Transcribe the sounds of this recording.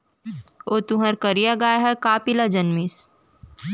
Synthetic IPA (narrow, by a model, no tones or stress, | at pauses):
oːt̪uɦəɾkɐɾijaɡaːjɦɛkaːpɪlad͡ʒɐnmis